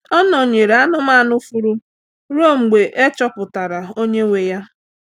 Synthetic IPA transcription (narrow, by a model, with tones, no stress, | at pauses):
ɔ˦nɔ˨ɲe˨ɾe˨a˦nʊ˦ma˦˨nʊ˦fu˦ɾu˦ | ɾo˦˨m̩˨ɡ͡be˨ʔe˦t͡ʃɔ˦pʊ˨ta˨ɾa˨o˦ɲe˦ŋʷe˨ja˦